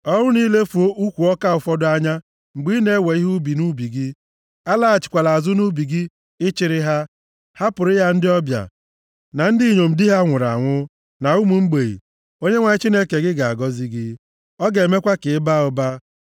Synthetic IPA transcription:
ɔ˦ŋʊ˦ni˦le˦fu˨o˦ʔu˦kʷu˨ɔ˦ka˦ʊ˨fɔ˦dʊ˦a˦ɲa˦ | ŋ͡m̩˨ɡ͡bi˦ne˦we˨i˦ɦu˦bi˨nu˦bi˨ɡi˦ | a˦la˦a˨t͡ʃɪ̥˨kʷa˨la˨a˨zʊ˦nu˦bi˨ɡi˦ | ɪ˦t͡ʃɪ˦ɾɪ˦ɦa˦ | ha˦pʊ˨ɾɪ˦ja˦n̩˦dɪ˦ɔ˦bja̰˨ | na˨n̩˦di˦˨ɲo˨m̩˨dɪ˦ɦa˦ŋʷʊ˨ɾa̰˨ŋʷʊ˦ | na˨u˦mu˨ŋ͡m̩˦ɡ͡be˨ḭ˨ | o˦ɲe˦ŋʷa˨ɲɪ˦t͡ʃi˦ne˦ke˨ɡɪ˦ɡa˨a˨ɡɔ˦zi˦ɡɪ˦ | ɔ˦ɡe˨˦me˦kʷa˦kɪ˨˦ba˦ʊ˨ba˦

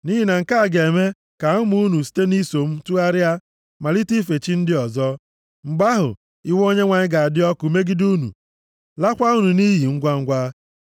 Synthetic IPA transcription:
ni˦ɦi˨na˨ŋ̩˨ka˦a˨ɡe˨me˦ | ka˨˦mu˦u˦nu˨si̥˦te˦ni˦so˨m̩˦tu˦a˦ɾɪ˦a˦ | ma˨li˦ti˦fe˨t͡ʃi˦n̩˦dɪ˦ɔ˨zɔ˦ | ŋ͡m̩˨ɡ͡ba˦ɦʊ̰˨ | i˦wo˦ɲe˦ŋʷa˨ɲɪ˦ɡa˨a˨dɪ˦ɔ˦ku˨me˦ɡi˦du˦nṵ˨ | la˦kʷa˦u˦nu˨ni˦ɦi˨ŋ̩˦ɡʷa˦ŋ̩˦ɡʷa˦

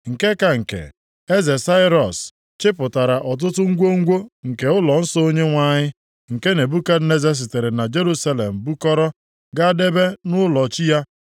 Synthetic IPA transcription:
ŋ̩˨ke˦ka˨ŋ̩˨kḛ˨ | e˦ze˨sa˦ɪ˦ɾɔ˨s | t͡ʃɪ˦pʊ˨ta˨ɾa˨ʔɔ˨t̬ʊ˦tʊ˦ŋ̩˦ɡʷo˦ŋ̩˦ɡʷo˦ŋ̩˨ke˨ʊ˦lɔ˨n̩˦sɔ˦o˦ɲe˦ŋʷa˦˨ɲɪ˦ | ŋ̩˨ke˦ne˨bu˦ka˦ne˦ze˦s̬i˨te˨ɾɪ˨na˨d͡ʒe˦ɾu˦sa˦le˨m̩˨bu˦kɔ˦ɾɔ˦ | ɡa˦de˦be˦nʊ˦lɔ˨t͡ʃi˦ja˦

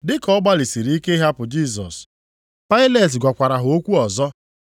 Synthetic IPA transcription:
dɪ˦kɔ˦ɡ͡ba˦li˨si˨ɾi˦i˦ke˦ɦa˦pʊ˨d͡ʒi˦˨s̬ɔ˨s | pa˦ɪ˦le˨t̬ɡʷa˨kʷa˨ɾa˨ɦʊ˨o˦kʷu˦ɔ˨zɔ˦

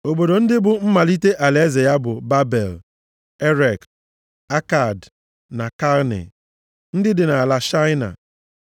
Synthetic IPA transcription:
o˨bo˨do˨n̩˦dɪ˦bʊ˨m̩˦ma˨li˦te˦ʔa˨le˨˦ze˨ja˦bʊ˨ba˦be˨l | e˦ɾe˨k | a˦ka˨d | na˨ka˦lnḛ˨ | n̩˦dɪ˦dɪ˨na˨la˨ʃa˦jna̰˨

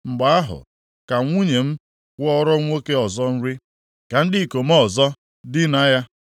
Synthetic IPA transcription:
ŋ͡m̩˨ɡ͡ba˨a˦ɦʊ̰˨ | ka˨ŋʷu˦ɲe˨m̩˦ | kʷʊ˦ɔ˦ɾɔ˦ŋʷo˦ke˦ɔ˨zɔ˦n̩˦ɾɪ˦ | ka˨n̩˦dɪ˦˨ko˨mɔ˦˨zɔ˦ | dɪ˦na˦ja˦

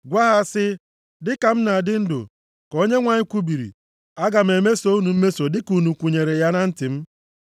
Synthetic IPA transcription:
ɡʷa˦ɦa˦sɪ˦ | dɪ˦ka˨m̩˦na˨a˨dɪ˦n̩˦dʊ̰˨ | ko˦ɲe˦ŋʷa˨ɲɪ˦kʷu˦bi˨ɾḭ˨ | a˦ɡa˨m̩˨e˨me˦so˦u˦nu˨m̩˦me˦so˨dɪ˦ku˨nu˨kʷu˨ɲe˨ɾe˨ja˦na˦n̩˦tɪ˨m̩˦

